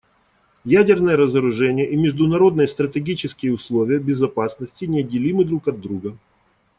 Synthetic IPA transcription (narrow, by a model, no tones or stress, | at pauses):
jædʲɪrnəjəɾəzəɾʊʐɛnʲɪjəʔimʲɪʐd̪ʊnɐɾo̞d̪nɨjəst̪ɾətʲɪɡʲit͡ɕɪskʲɪjəʊslˠovʲɪjəbʲɪzɐpasnəsʲtʲɪnʲɪɐdʲːɪlʲimɨd̪ɾukɐd̪ːɾuɡə